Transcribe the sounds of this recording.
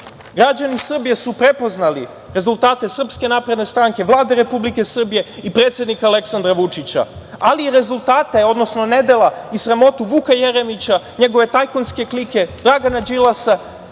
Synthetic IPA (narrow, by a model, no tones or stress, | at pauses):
ɡɾad͡ʑanisr̩bije̞supɾe̞po̞znali | ɾezulˠt̪aːt̪e̞sr̩pske̞naːpɾe̞d̪ne̞st̪ɾaŋke̞ʋlˠaːd̪eɾe̞publike̞sr̩bije̞ipɾe̞ːt̪sje̞d̪nikaːle̞ksand̪ɾaʋut͡ʂit͡ɕa̰ | aliiɾe̞zulˠt̪aːt̪e̞o̞d̪no̞sno̞ne̞d̪e̞lˠaisɾamo̞t̪uʋukajeɾe̞mit͡ɕa | ɲe̞ɡo̞ʋe̞t̪ajkonske̞klike̞d̪ɾaɡanad͡ʒilˠasa